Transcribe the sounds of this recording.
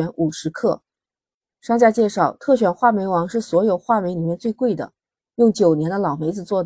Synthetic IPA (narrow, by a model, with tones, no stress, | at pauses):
ɛ˧˥nʔu˨˩ʂɻ̩˧˥kʰɤ˥˩ | ʂɑ˥˧ŋt͡ɕja˥˧t͡ɕjɛ˥˧ʂɑ˥˩ʊt̪ʰɤ˥˩ɕ̬ɥɛ˨˩nxwa˥˩me˧˥ɪwɑ˧˥ŋʂɻ̩˥˩swɔ˧˥jo˨˩ʊxwa˥˩me˧˥ɪli˨˩mjɛ˥˧nt͡swe˥˧ɪkwe˥˩ɪd̪ə̰˩ | jʊ˥˩ŋt͡ɕjo˨˩ʊnjɛ˧˥nd̪ə˧lɑ˨˩ʊme˧˥ɪd͡zɹ̩˧t͡swɔ˥˩d̪